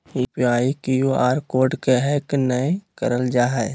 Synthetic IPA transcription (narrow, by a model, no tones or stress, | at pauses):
ipiaːikijoaːɾkoːɾɖkeɦɛknəekəɾəld͡ʒaɦɛ